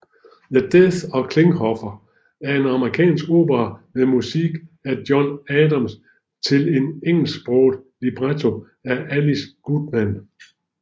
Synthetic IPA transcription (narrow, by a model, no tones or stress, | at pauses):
jæd̥eθɒ̽kʰle̝ŋhɒfɐ | æɐe̝nɑ̈məʁikʰɛ̰ːnsɡ̥o̝̰ːb̥ɐɐmemusiɡ̥æɐd̥jɒnɛːdɑ̈ms | t͡sʰe̝le̝neŋ̰l̩sɡ̥b̥ʁɔoːd̥ˠlib̥ʁat͡sʰo̝ | æʔælisɡ̥ud̥mæn